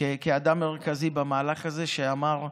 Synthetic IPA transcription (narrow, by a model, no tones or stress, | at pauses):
ekeadamːe̞ʁkazibamaːlaχaze̞ʃeamaʁ